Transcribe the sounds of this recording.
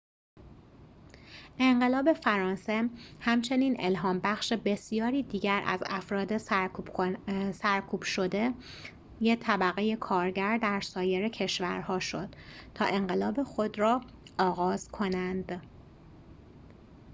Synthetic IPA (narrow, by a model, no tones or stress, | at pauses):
ʔe̞ɴɢe̞lɒːbe̞fæɾɒːnse̞hæmt͡ʃʰe̞niːne̞̰lɦɒːmbæxʃe̞be̞sijɒːɾiːd̪iːɟæɾʔæ̰zæ̰fɾɒːd̪e̞ | sæɾkʰuːb̥ʃo̞d̪e̞ | jet̪ʰæbæɣe̞je̞kʰɒːɾɟæɾd̪æɾsɒːje̞ɾecʰe̞ʃvæɾhɒːʃo̞d̪̥t̪ʰɒ̰ːʔe̞ɴɢe̞lɒːbexo̞d̪ɾɒː | ɒːɣɒːz̥kʰo̞nænd̪̥